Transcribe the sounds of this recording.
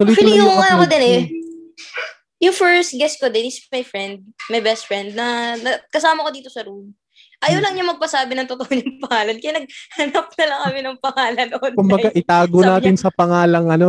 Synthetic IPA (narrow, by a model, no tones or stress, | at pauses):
solijʊŋakod̪ɪnɛ | jʊŋfɛɹst̪̚ɡɛskod̪ɛnɪsmɐjfɹɛnd̪̚mɐjbɛst̪fɹɛnd̪̚nɐnɐkɐsaːmɐkod̪iːt̪osɐɾum | ʔɐjawlɐŋɲamɐɡ̚pɐsaːbɪnɐŋt̪ot̪ohoɲɐŋpɐŋaːlɐnkɐjanɐɡ̚hɐnɐp̚nɐlɐŋkɐmɪnɐŋpɐŋaːlɐnʔod̪kʊmbɐɡaʔɪt̪aːɡonaːɪnsɐpɐŋaːlɐŋɐno